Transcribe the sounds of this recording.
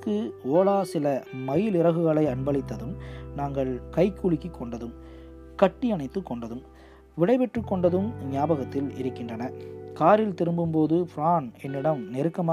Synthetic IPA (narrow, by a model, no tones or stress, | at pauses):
kːɯoːlaːsɪlɐmɐjɪlɪɾɐɣɯɣɐɭɐɪɐnbɐɭɪt̪ːɐðɯmnaːŋɡɐɭkɐɪkːuɻɪkːikːɔɳɖɐðɯm | kɐʈːiɐnɐɪt̪ːɯkːɔɳɖɐðɯm | ʋɪɽɐɪpɛʈrɯkːɔɳɖɐðɯmnɪjaːbɐɣɐt̪ːɪlɪ̰ɾɯkːɪndrɐnɐkaːɾɪlt̪ɪɾɯmbɯmpoːðɯpɪɾaːnɛnːɪɽɐmnɛɾɯkːɐmː